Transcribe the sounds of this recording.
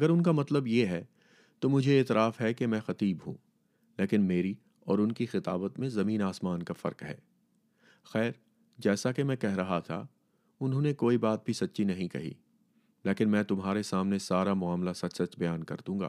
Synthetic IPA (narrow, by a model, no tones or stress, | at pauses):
ɐɡəɾʊnkamɐt̪ləbjeɦɛ | t̪omʊd͡ʒʱeːt̪ɾaːfɦɛkemɛ̃xɐt̪iːbɦṵ̃ː | leːkɪnmeːɾi | ɔːɾʊnkixɪt̪a̰ːbət̪mẽzɐmĩːnaːsmaːnkafɐ̰ɾkɦɛ̰ː | xɛːɾ | d͡ʒɛːsakemɛ̃ːkɛɦɾɐɦat̪ʰa̰ | ʊnɦõːnekoːibaːt̪̚bʱisɐtːʃʰinɐɦĩkɐ̰ɦḭː | leːkɪnmɛ̃ːt̪ʊmɦaːɾesaːmnesaːɾamʊaːmlasɐt͡ʃsɐt͡ʃbɐjaːnkɐ̰ɾd̪ũːɡa̰ː